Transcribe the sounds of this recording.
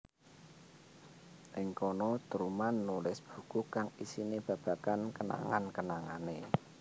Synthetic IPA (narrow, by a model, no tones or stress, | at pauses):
ʔɪŋkonɔt̪əɾumanːulɪsb̥ṳkukaŋisinib̥ä̤b̥ä̤kankəna̰ŋankənaŋane